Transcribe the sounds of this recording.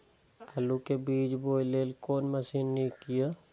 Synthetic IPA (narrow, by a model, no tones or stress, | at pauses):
ɐlukebiːd͡ʒboːjleːlkoːnmɐsiːnːiĩkija